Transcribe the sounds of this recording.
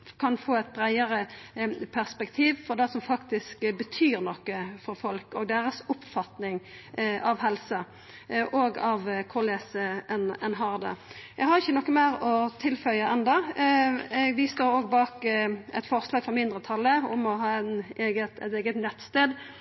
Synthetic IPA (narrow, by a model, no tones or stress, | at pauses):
kʰɑnfoːɛɪt̪̚bɾæɪəɾəpʰæʁspɛkt̪ʰiːʋfɔʁd̪æsɔmfɑkt̪ɪskbət̪ʰyːɾnɔkːəfɔɾfɔlkɔɡ̚d̪eːɾəsʊpfɑt̪nɪŋ | ɑʋɦɛlsə | ʔoːɡɑʋkʰʊleːsəɛnɛnɦɑʁd̪ə̰jɛɡhɑɾɪçːənɔkːəmæːɾɔt̪ʰɪlfœlɑʔɛnd̪ɑ | ɛɡʋɪst̪oːɾoːɡbɑːkɛt̪fɔʁslɑːɡfʁɔʁmɪnd̪ɾət̪ʰɑlːəʊmɔɦɑːɛneːɡət̪ɛ̰t̪eːɡət̪nɛt̪st̪eːd̪